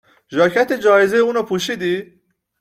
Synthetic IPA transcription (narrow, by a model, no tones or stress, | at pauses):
ʒɒːcʰæt̪ʰed͡ʒɒːjezejeuːnɒpʰuːʃiːd̪i